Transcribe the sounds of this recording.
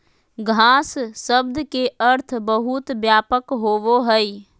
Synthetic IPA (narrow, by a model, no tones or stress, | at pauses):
ɡʱãːsːəb̚d̪keəɾt̪ʰbəɦut̪bjaːpəkɦoʋoɦəi